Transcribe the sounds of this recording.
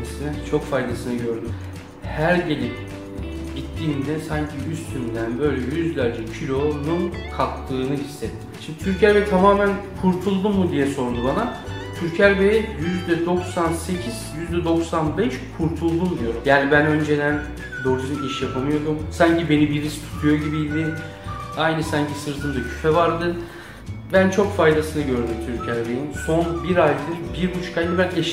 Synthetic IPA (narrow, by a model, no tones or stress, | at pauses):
asɯnɛt͡ʃʰo̞kfajd̪asɯnɯɟø̞ɾd̪ym | hæɾɟe̞lʲip | ɟit̪ʰːiːnd̪ɛsaɲcʰiyst̪ʰynd̪ænbø̞jlʲɛjyzlʲæɾd͡ʒɛcʰilʲo̞nunkʰakt̪ʰːɯːnɯhisːet̪ʰːimʃimd̪it̪ʰyɾcæɾbeɛt̪ʰamaːmænkʰuɾt̪ʰulˠd̪umːud̪ijɛso̞ɾunubana | t̪ʰyɾcʰæɾbejɛjyzd̪ɛd̪o̞ksanse̞cʰiz̥jyzd̪ɛd̪o̞ksanbɛʃkʰuɾt̪ʰulˠd̪umd̪ijo̞ɾumjaːnibænø̞nd͡ʒe̞d̪æn | b̪o̞ɾsiniʃjapʰamɯjo̞d̪umsaɲcʰibe̞nibiɾist̪ʰu̥t̪ʰujo̞ɟibiid̪ɪ | ajnɯsaɲcʰisɯɾt̪ʰɯmd̪acʰy̥fɛvaɾd̪ɯ | bænt͡ʃʰo̞kfajd̪asɯnɯɟø̞ɾd̪ymt̪ʰyɾcʰæɾbejinso̞nbiɾajd̪ɯɾbiɾbut͡ʃkʰajnibænɛʃ